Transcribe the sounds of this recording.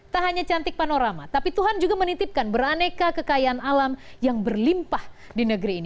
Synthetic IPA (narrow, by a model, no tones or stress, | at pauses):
t̪aɦaɲat͡ʃant̪ɪk̚panoɾama̰t̪apit̪uɦand͡ʒuɡamənit̪ip̚kanbəranekakəkajanalamjaŋbərlimpah | dinəɡəɾiːni